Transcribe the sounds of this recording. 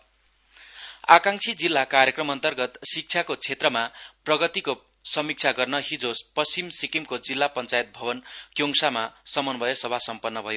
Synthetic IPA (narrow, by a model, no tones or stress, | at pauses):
a̰kaŋt͡sʰid͡zilːakarjekrʌmʌnt̪ʌrɡʌt̪sik̚t͡sʰjakot͡sʰet̪rʌmaprʌɡʌt̪iko | sʌmik̚t͡sʰaɡʌrnʌɦid͡zospʌsimsikimkod͡zilːapʌnt͡sajet̪̚bʱʌbʌnkjoŋsamasʌmʌnbʱʌjesʌbʱasʌmpʌnːʌbʱʌjo